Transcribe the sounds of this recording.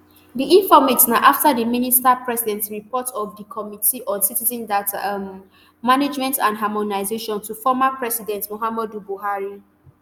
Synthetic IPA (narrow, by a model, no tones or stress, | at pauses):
diʔĩnfɔmetnaʔaftadiministapɹɛsidɛ̃ntsɹipʰɔtɔvdikʰɔmitiʔɔsitizɛ̃ndatmː | aned͡ʒmɛ̃ntãndɦamɔnaɪzeʃɔ̃ntufɔmapɹɛsidɛ̃ntmoɦamɔdubuɦaɹi